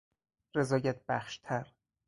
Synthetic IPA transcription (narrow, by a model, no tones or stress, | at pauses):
re̞zɒːjæt̪̚bæχʃt̪ʰæɾ